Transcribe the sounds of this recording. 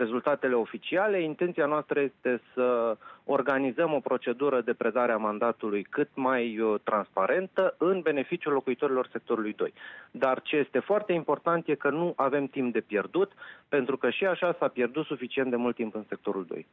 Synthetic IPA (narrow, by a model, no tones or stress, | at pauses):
ɾe̞zult̪at̪e̞le̞o̞fit͡ʃiale̞int̪ent̪sianoast̪ɾəje̞st̪e̞səo̞rɡanizəmo̞pɾo̞t͡ʃe̞d̪uɾəd̪e̞pɾe̞d̪aɾeamand̪at̪ulujkɨt̪̚majt̪ɾanspaɾe̞nt̪əɨnbe̞ne̞fit͡ʃijulːo̞kuit̪o̞ɾilo̞rse̞k̚t̪o̞ɾulujd̪o̞̰jd̪art͡ʃe̞je̞st̪e̞foart̪e̞impo̞rt̪ant̪je̞kənuʔave̞mt̪imp̚d̪e̞pje̞rd̪ut̪pe̞nt̪ɾukəʃiaʃasapje̞rd̪ut̪sufit͡ʃint̪d̪e̞mult̪ːimpɨnse̞k̚t̪o̞ɾuld̪o̞̰j